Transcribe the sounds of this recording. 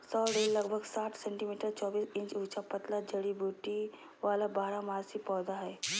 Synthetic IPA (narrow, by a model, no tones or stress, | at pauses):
sɔːɾeːlːɐɡbʱəɡsaːʈʰsɛ̃ɳʈimiːʈəɾt͡ʃɔːbiːsɪ̃ɲt͡ʃuːt͡ʃapət̪lad͡ʒəɽibʱuːʈi | ʋaːlabaːɾamaːɾsipɔːd̪aɦɛː